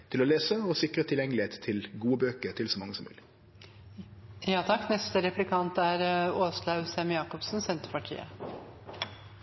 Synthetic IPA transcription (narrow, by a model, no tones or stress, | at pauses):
t̪ʰɪloːleːsəoːsɪkɾət̪ʰɪljɛŋəlɪheːt̪ʰːɪlɡuːəbøːkəɾt̪ʰɪlsoːmɑŋːəsɔmʋʉ̰ːlɪ | jɑːt̪ʰɑkːnɛst̪əɾɛplɪkʰɑnt̪æɾoːslɑʉsɛmjɑːkɔpsn̩sɛnt̪əɾpɑʈʰḭːə̰